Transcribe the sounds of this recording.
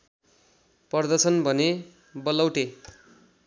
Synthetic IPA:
pʌrd̪ʌsʌnbʱʌne | bʌlʌwʈe

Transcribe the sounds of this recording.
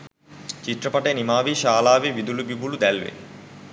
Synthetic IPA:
t͡ʃit̪ːrəpɐʈəjnimaːʋiʃaːlaːʋeʋid̪ulubibulud̪ælʋḛ

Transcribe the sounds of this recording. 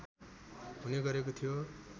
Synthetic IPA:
ɦuneɡʌɾek̬ot̪ʰijo

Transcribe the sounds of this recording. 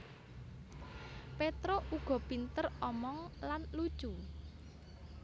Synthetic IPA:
pet̪ɾoʔuɡ̥ɔ̤pint̪ərɔmɔŋlanlud̥ʒ̥u

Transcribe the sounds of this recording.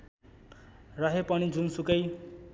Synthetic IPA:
rʌɦepʌñid͡zunsukʌj

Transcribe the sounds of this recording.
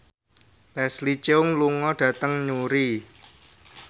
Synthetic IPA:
lɛslit͡ʃeʊŋluŋɔɖ̥ä̤t̪əŋɲuɾi

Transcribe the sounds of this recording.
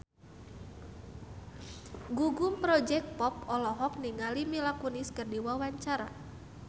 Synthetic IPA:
ɡuɡumpɾɔd͡ʒɛk̚t̪̚pɔpɔlɔɦɔk̚niŋalimilakuniskɨrdiwawaɲt͡ʃaɾa̰

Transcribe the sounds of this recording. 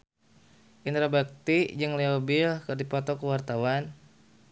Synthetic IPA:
ʔint̪ɾabak̚t̪iʔd͡ʒɨŋleobilkərdipɔt̪ɔkəwart̪awan

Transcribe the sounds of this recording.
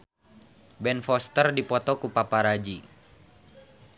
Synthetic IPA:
bɛnfɔst̪ərdipɔt̪ɔkupapaɾad͡ʒi

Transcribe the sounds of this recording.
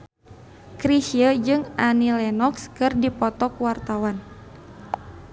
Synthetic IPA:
kɾihiəd͡ʒɨŋʔanilɛnɔkskɨrdipɔt̪ɔkwart̪awan

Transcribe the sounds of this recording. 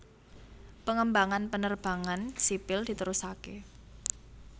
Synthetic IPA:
pəŋəmbaŋanpənərb̥a̤ŋansipɪld̪̥i̤t̪əɾusakḛ

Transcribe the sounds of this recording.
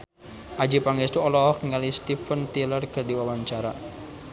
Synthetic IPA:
ʔad͡ʒipaŋest̪uɔlɔɔkŋalist̪ifənt̪ilərkərdiwawaɲt͡ʃaɾa

